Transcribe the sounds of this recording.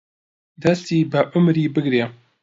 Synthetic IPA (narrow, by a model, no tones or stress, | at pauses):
d̪ɛst̪iːbɨʔʊmɾiːbɨɡɾeː